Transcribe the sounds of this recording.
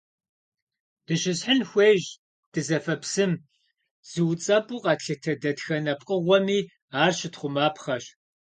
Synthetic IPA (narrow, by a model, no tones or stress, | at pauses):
d̥ɨɕɪsħənxʷeːʒ | d̥ɨzɐfɐpsɨm | z̥ɨwt͡sʼɐpʼuːqʼɑtɬɨtʰɐdɐtxɐnɐpqʼəʁʷɔmiː | aːrʃɪtχʷʊmaːpʰχɐʃ